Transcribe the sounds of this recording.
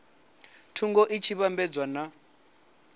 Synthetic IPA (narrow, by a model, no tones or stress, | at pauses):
tʰuŋɡɔʔit͡ʃʰiβambɛd͡zwana